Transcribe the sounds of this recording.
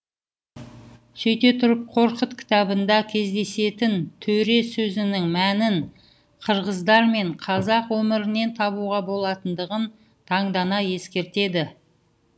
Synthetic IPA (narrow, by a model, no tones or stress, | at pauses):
ʃejt̪e̞t̪ʰʊɾəp̚qʰo̞ɾqət̪kʲʰɪ̥t̪ɑbənd̪ɑkʲʰe̞zd̪e̞se̞t̪ɪnt̪ʰɵɾe̞sɵzɪnɪŋmænɪn | qʰəɾʁəzd̪ɑɾme̞ɴqʰɑzɑqwɵmɪɾɪne̞nt̪ʰɑβuʁɑbo̞lˠɑt̪ənd̪əʁən | t̪ʰɑɴd̪ɑnɑje̞skʲe̞ɾt̪e̞d̪ɪ